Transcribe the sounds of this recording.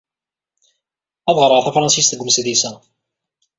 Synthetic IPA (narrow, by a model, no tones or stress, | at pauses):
æðˤʁəɾˤəʁθæfɾˤɑnsisθəɡʷmsðisæ